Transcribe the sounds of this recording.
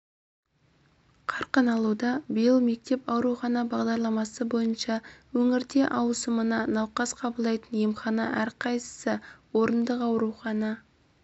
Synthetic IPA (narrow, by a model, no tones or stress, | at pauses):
qʰɑɾqənɑlˠud̪ɑbəjəlˠme̞k̚t̪e̞pɑwɾuχɑnɑbɑʁd̪ɑɾlˠɑmɑsəbo̞jənʃɑwɵŋɪɾd̪e̞ʔɑwəsəmənɑnɑwqɑsqʰɑbəlˠd̪ɑjt̪ənjemχɑnɑʔæɾqʰɑjsə̥səwo̞ɾənd̪əqɑwɾuχɑnɑ